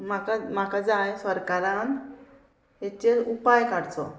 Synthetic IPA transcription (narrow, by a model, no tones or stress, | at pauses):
makamakad͡zajsʋəɾkaɾan | et͡ɕeupajkaɽt͡sɔ̰